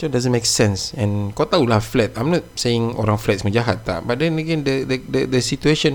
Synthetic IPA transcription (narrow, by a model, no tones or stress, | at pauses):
sɔ̃dazə̃nmeksɛ̃nsɛ̃nkɔt̪aulahflɛt̪̚ãjmnɔt̪̚seɪ̃ŋo̰ɾãŋflɛt̪̚sməd͡ʒaɦat̪̚ːa̰bat̪̚dɛ̃nəɡɛ̃ndədədədəsit̪ueʃə̃n